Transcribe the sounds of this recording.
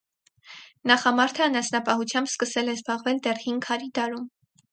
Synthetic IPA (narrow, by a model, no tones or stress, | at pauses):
nɑχɑmɑɾt̪ʰəːnɑsnɑpɑɦut͡sʰjɑmbskəsɛlɛzbɑʁvɛld̪ɛrhinkʰɑɾid̪ɑɾum